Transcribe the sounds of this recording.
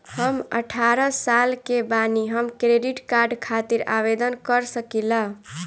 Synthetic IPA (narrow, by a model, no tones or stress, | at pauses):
həmə̰ʈʰaɾəsalkebaniɦəmkɾeɖiʈkaɾɖkʰat̪iɾa̰bed̪ənkəɾsəkilaɦ